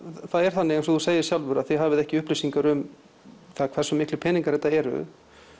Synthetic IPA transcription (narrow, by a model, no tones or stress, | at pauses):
θaðɛɾ̥θanːɪɣɛnsɔðuseːjɪ̥sjawlvʏɾaðθiɦaːvɪðɛhcɪʏhplijsiŋkaɾʏm | θaðkʰvɛ̥sʏmːɪhklɪpʰɛːniŋkaɾɛt̪ːaɛɾʏ̰